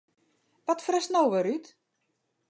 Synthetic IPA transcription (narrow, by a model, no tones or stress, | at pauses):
ʋɔtfrəsnowʋəɾyt